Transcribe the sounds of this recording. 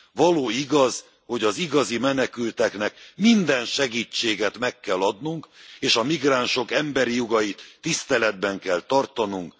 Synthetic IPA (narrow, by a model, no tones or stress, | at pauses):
vɒloːiɡɒz | ho̞ɟɒziɡɒzimɛnɛkylt̪ɛknɛkmind̪ɛnʃɛɡiːt͡ʃːeːɡɛt̪mɛkːɛlːɒd̪nuŋkeːʃɒmiɡraːnʃo̞kɛmbɛɾijoɡɒjit̪ːist̪ɛlɛd̪bɛŋkɛlt̪ɒrt̪ɒnuŋk